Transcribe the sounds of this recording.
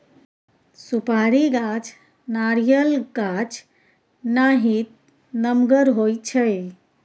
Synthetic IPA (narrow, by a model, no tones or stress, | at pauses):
supaɾiɡat͡ʃʰ | naɾijəlɡat͡ʃʰ | naɦit̪̚ | nəmɡəɾɦojt͡ʃʰəj